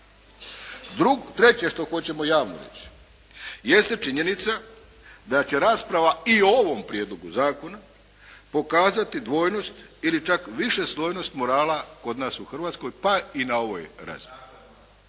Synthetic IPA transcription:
ɾuɡt̪ɾe̞t͡ɕe̞ʃt̪o̞xo̞t͡ɕe̞mo̞jaːʋno̰ɾḛt͡ɕi̥ | je̞st̪e̞t͡ʃiɲe̞nit̪sa | d̪at͡ɕe̞ɾaːspɾaʋaiooʋo̞mpɾjed̪lˠo̞ɡuzaːko̞na | po̞kaːzat̪id̪ʋo̞ːjno̞st̪ilit͡ʃakʋiʃe̞slˠo̞ːjno̞st̪mo̞ɾaːlako̞d̪naːsuxr̩ʋaːt̪sko̞jpainao̞ʋojɾa̰ːzii

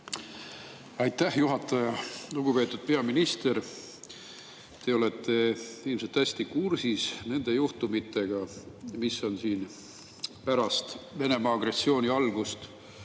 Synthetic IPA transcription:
ɑjt̪ːˑæhjuɦɑt̪ːˑɑjɑluɡ̥upe̞ːt̪ːˑud̪̥̚pe̞ɑminist̪e̞ɾ | t̪e̞o̞le̞t̪ːe̞ilmset̪ːˑæsʲt̪ikursisne̞nd̪̥e̞juht̪umit̪ˑːe̞ɡ̥ɑmisːo̞nsiːn | pæɾɑst̪ve̞ne̞mɑːɡ̥re̞sːio̞ːnʲiɑlɡ̥ust̪

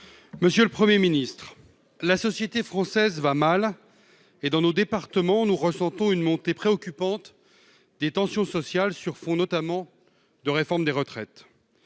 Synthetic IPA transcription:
məsjøləpχəmjeminist̪χ | lasɔsjet̪efχɑ̃sɛzvamal | ed̪ɑ̃nod̪epaʁt̪əmɑ̃nuʁəsɑ̃t̪ɔ̃ynmɔ̃t̪epχeɔkʲypɑ̃t̪ | d̪et̪ɑ̃sjɔ̃sɔsjalsyʁfɔ̃nɔt̪amɑ̃ | d̪əʁefɔʁmd̪eʁət̪χɛt̪

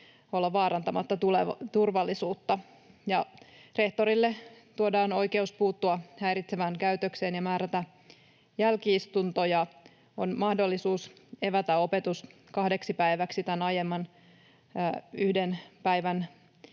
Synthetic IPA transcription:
o̞lːɑʋɑːɾɑnt̪ɑmɑt̪ːɑt̪ulet̪urʋɑlːisuːt̪ːɑ | jɑre̞ht̪o̞ɾilːet̪uodɑːno̞jke̞uspuːt̪ːuɑhæjɾit̪seʋæŋkæyt̪økseːnjɑmæːɾæt̪æ | jælkiist̪unt̪o̞jɑ | o̰nmɑhdo̞lːisuːseʋæt̪æo̞pe̞t̪us | kɑhde̞ksipæiʋæksit̪ænɑjemːɑnː | yhdenpæjʋæn

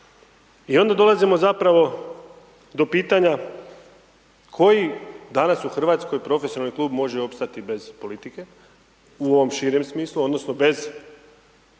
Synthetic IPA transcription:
io̞nd̪ad̪o̞lˠazimo̞zapɾaʋo̞ | d̪o̞piːt̪aɲa | kʰo̞jid̪anasuxr̩ʋaːt̪sko̞jpɾo̞fesjonalnikluːbmo̞ʒeo̞pst̪at̪ibe̞z̥po̞lit̪ike̞ | uo̞ʋo̞mʃiːɾemsmiːslˠuo̞d̪nosno̞be̞z

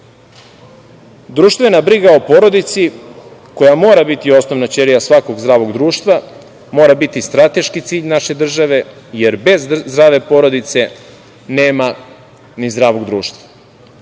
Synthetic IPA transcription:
d̪ɾuːʃt̪ve̞nabɾiɡaopo̞ɾod̪it̪siko̞jamo̞ːɾabit̪io̞snoʋnat͡ɕeɾijasʋako̞ɡzɾaːʋo̞ɡd̪ɾuːʃt̪ʋa | mo̞ːɾabit̪ist̪ɾat̪e̞ʃkit̪siːʎnaʃe̞d̪r̩ʒaʋe̞ | je̞ɾbe̞zd̪ɾaːʋe̞po̞ɾo̞d̪it̪se̞ | neːma | nizd̪ɾaːʋo̞ɡd̪ɾuːʃt̪va

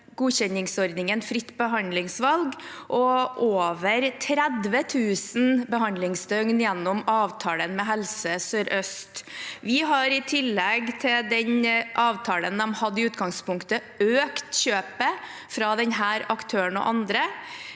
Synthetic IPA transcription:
ɡuːɕɛnɪŋsɔɾd̪nɪŋənfɾɪt̪ːbəɦɑnd̪lɪŋsʋɑlɡʔɔʔoːʋəɾt̪ʰɾɛd̪ʋət̪ʰʉːsn̩bəɦɑnd̪lɪŋsd̪œŋnjɛnːɔmɑːʋt̪ʰɑːlənmɛɦɛlsəsøːɾʔœst̪ʋɪɦɑɾɪt̪ʰɪlːɛɡt̪ʰɪld̪ɛɲʔɑːʋt̪ʰɑːlənd̪ɛmhɑd̪ːəɪʉːt̪ɡɑŋspʊŋkt̪ə | øːkt̪ɕøːpə | fɾɑd̪ɛnɦæːɾɑkt̪ʰøːəɳɔ̰ʔɑnd̪ɾə

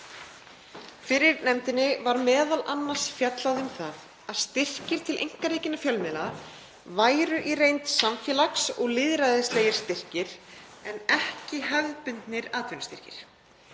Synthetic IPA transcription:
fɪɾɪɾnɛmt̪ɪnːɪvaɾmɛːðalʔanːḁsfjat̪laðɪʏmθað | aðst̪ɪr̥cɪɾ̥t̪ʰɪlʔḛjŋ̥kareːjcɪnafjœlmɪla | vaːjɾʏʔirejnt̪samfjɛlaksɔɣlɪðɾaðɪsleːjɪɾ̥st̪ɪr̥cɪɾ̥ɛnɛhcɪɦɛvðpʏnt̪nɪɾaːt̪vɪnast̪ɪr̥cɪɾ̥

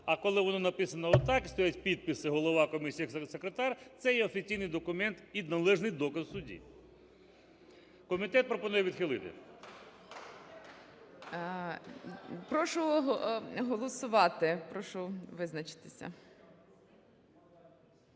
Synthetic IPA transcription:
ɐkɔlˠɪʋɔnɔnɐpɪsɐnɐɔt̪ɑkɪst̪ɔjatʲpʲid̪̚pɪsɪɦɔlˠɔʋɑkɔmʲisʲisekɾet̪ɑrt̪sɛjɛɔfʲit͡sʲijnɪjd̪ɔkʊmɛnt̪id̪nɐlˠɛʒnɪjd̪ɔkɐzsʊdʲḭ | kɔmʲit̪ɛt̪̚pɾɔpɔnujɛʋʲid̪xɪlˠɪt̪ɪ̰ | pɾɔʃʊ | ɦɔlˠɔsʊʋɑt̪ɪpɾɔʃʊʋɪznɐt͡ʃɪ̥t̪ɪ̥sʲɐ̰

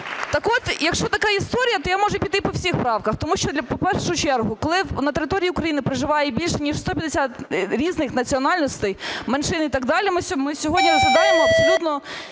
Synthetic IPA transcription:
t̪ɐkɔt̪jɐkʃt͡ʃɔt̪ɐkɑist̪ɔɾʲijɐt̪ɔjamɔʒɛpʲit̪ɪpɔwsʲixpɾɑwkɐxt̪ɔmuʃt͡ʃɔd̪lʲɐpɔpɛrʃɔɦʊt͡ʃɛrɦʊkɔlˠɪnɐt̪eɾɪt̪ɔɾʲijiʊkɾɐjinɪpɾɪʒɪʋɑjɛbʲilʲʃɛnʲiʃst̪ɔpʲjɐd̪esʲat̪ɾʲiznɪxnɐt͡sʲiɔnɑlʲnɔst̪ɛjmɐnʃɪnit̪ɐɡd̪ɑlʲimɪmɪsʲɔɦɔdʲnʲirɔzlɐd̪ɑjemɔɐpsɔlʲut̪nɔ

